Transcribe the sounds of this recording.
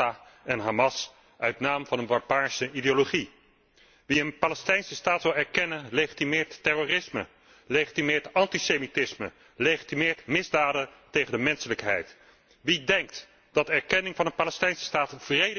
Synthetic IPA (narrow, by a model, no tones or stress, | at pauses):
a | ɛnɦaːmɑs | ʔœɥtnaːmvɑnənbɑɹbaːɹsəidejoloχi | ʋiənpaːlɛstɛjnsəstaːtʋɪlˠɛɹkɛnənlejχitimɪːɹtːɛroːrɪsmə | leχitimɪːɹtɑntisejmitɪsmə̰ | leχitimɪːɹtmɪzdaːdətejχəndəmɛnsələkɦɛ̰jt | ʋidɛŋk̚t | d̥ɑdɛɹkɛnɪŋvɑnənpaːlɛstɛjnsə̥staːtv̥rejd